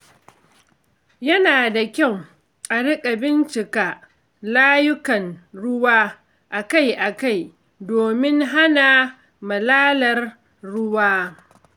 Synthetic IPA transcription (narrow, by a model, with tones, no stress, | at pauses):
jɐ˦naː˨da˨kʲa˦˨w | ʔʼɐ˨ɽɪ˦kʼa˨bɪ˦nt͡ʃɪ˨ka˨ | laː˦jʊ˦kɐ˨nɽʊ˦waː˦ | ʔa˨ka˦˨jʔa˨ka˦˨j | doː˨mɪ˦ŋɦa˦na˨ | mɐ˨laː˦lɐ˨rː | ʊ˦waː˦